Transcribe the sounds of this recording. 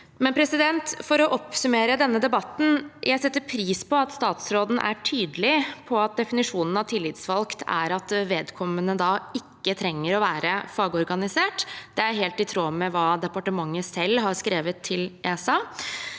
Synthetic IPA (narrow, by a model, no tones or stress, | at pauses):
mɛnpʰɾɛsɪd̪ɛnt̪fɔɾɔʔɔpsʉmeːɾəd̪ɛnːəd̪ɛbɑt̪ːn̩jʔæɪsɛt̪ːəɾpʰɾiːspɔɑt̪st̪ɑːt̪sɾoːd̪n̩ʔæ̰ʈʰyːd̪lɪpʰɔɑt̪̚d̪ɛfɪnɪʂuːnən̩ɑʋt̪ʰɪlːɪːd̪sʋɑlkt̪ʰæ̰ɾɑt̪ʋeːd̪kʰɔmːənəd̪ɑɪkːət̪ʰɾɛŋːəɾɔʋæːɾəfɑːɡɔɾɡɑnɪseːʈd̪̥ɛæɾɦeːlt̪ɪt̪ʰɾoːmɛʋɑːd̪ɛpɑʈəmɑŋːəsɛlːɦɑɾskɾeːʋət̪ʰːɪlʔeːsɑ